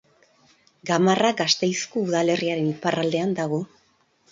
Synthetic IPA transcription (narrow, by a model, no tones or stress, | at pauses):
ɡamaraɡast̪e̞jskouðale̞riaɾe̞niparald̪e̞and̪aɣ̞o̞